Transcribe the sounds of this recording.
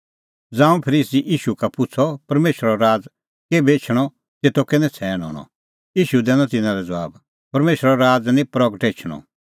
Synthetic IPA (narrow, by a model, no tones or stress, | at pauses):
d͡zãːũpʰɐɾiːsiʔiːʃukapʊt͡sʰɔpɐɾmeːʃɾɔɾaːd͡z | kebeːt͡ʃʰɽ̃ɔ | t̪eːt̪okɪnɛ̃t͡sʰɛːɽ̃ɔ̰ːɽ̃ɔ̰̃ | iːʃud̪ɛːnɔ̃t̪ɪnãɾɛd͡zɐʋa̰ːb | pɐɾmeːʃɾɔɾaːd͡znĩpɾɔɡəʈeːt͡ʃʰɽ̃ɔ̰